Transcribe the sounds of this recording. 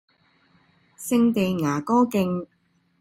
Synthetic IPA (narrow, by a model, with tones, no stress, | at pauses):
sɪ˧ŋt̪e˨jŋaː˨˩kɔː˥kɪ˧ŋ